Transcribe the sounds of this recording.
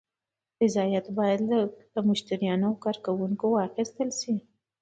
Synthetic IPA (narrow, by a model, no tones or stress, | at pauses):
fɪzɑjat̪bɑjad̪ləmʊʃt̪aɾijɑnokɑɾkawuŋkowɑxɪst̪əlʃi